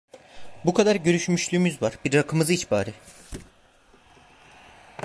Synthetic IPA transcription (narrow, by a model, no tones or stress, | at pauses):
bukʰad̪aɾɟø̞ɾyʃmyʃlʲyːmyzvaɾ̥biɾːakʰɯmɯzɯit͡ʃbaːɾɯ